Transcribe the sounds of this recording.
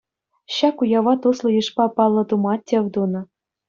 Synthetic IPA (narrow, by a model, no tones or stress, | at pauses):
ɕɑkujɑʋɑt̪uslˠɤ̆jɯʂpɑpɑlˠːɤ̆t̪umɑtʲːeʋʲd̪unɤ̆